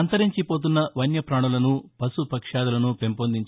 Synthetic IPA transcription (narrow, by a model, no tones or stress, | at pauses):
ɐnt̪ɐɾiɲt͡ʃipoːt̪̬unːɐʋɐnjɐpɾaːɳulɐnupɐsupɐkʂaːd̪ulɐnupempond̪iɲt͡ʃ